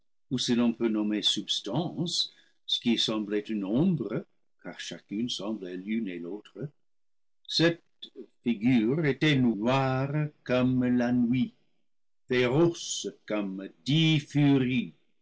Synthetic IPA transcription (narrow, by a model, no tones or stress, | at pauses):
usilɔ̃pønɔmesybst̪ɑ̃s | sə̥kisɑ̃blɛt̪ənɔ̃bʁə | kaʁʃakynsɑ̃blɛlynelot̪χə | sɛt̪ | fiɡyːʁet̪ɛnnwaʁkɔmlanwi | feʁɔskɔmdifyʁi